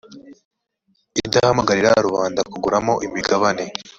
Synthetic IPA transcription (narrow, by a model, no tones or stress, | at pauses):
idahamaɡaɾiɾaɾuβaːndakuɡuɾamo̞ʔimiɡaβane̞